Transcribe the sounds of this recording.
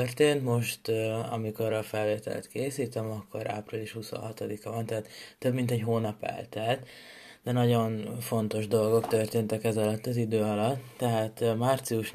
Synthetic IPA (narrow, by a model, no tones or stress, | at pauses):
ørt̪eːnt̪mo̞ʃt̪ɒ̰miko̞ɾɒfɛlveːt̪ɛ̰lɛ̰t̪keːsiːt̪ømɒkːo̞̰ɾa̰ːpriliʃhuso̰nɦɒt̪o̞d̪ikɒvɒnt̪ɛɦat̪ːøbmint̪ɛɟɦoːnɒpɛ̰lt̪ɛlt̪ | d̪ɛnɒɟo̞nfo̞nt̪o̞ʒd̪o̞lɡo̞kt̪ørt̪eːnt̪ɛkɛzɒlɒt̪ːɒzid̪øːɒlɒt̪ːɛɦaːt̪maːrt̪siuʃ